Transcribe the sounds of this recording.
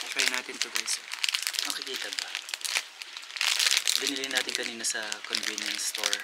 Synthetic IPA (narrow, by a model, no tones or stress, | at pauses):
akajnaːt̪ɪnsɐvajsɛmɐkɪkiːt̪ɐbɐ | bɪnɪlɪŋnaːt̪ɪnkɐniːnɐsɐkonvinɐŋst̪oɹ